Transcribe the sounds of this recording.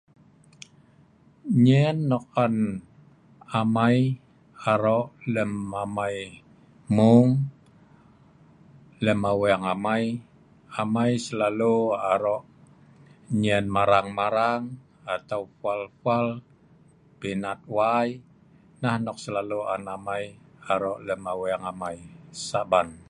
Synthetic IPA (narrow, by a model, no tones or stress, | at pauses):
ɲɛnːɔkːan | amaj | aɾɔʔləmamaj | muŋ | ləmawaŋamaj | amajsəlaluaɾɔʔ | ɲɛnmaɾaŋmaɾaŋ | at̪aufualfal | pinat̪̚waj | nahnɔk̚səlaluanamajaɾɔʔləmaweaŋamaisaban